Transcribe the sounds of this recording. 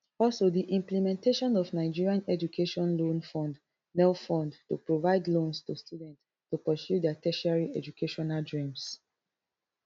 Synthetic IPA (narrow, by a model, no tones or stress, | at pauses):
ɔlsodiʔĩmplimɛ̃nteʃɔ̃nɔvnaɪd͡ʒiɹiãnɛd͡ʒukʰeʃɔ̃nlõnfɔ̃nd | nɛlfɔ̃ndtṵpɹovaɪdlõnstustʰjudɛ̃nt | tːupəsjudɛatʰɛʃaɹiʔɛd͡ʒukʰeʃɔnaldɹĩms